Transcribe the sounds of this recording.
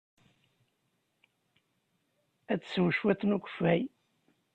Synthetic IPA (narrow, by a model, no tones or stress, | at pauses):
æt͡sːswəʃwæt̪ːnukʷə̥fæj